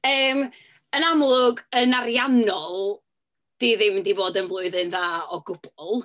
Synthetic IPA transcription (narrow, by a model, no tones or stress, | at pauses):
əːm | ənamlˠʊɡənarjanɔlˠ | d̥iðɪmndiboːdənvlˠʊɨðɨnðaːɔɡʊb̥ɔlˠ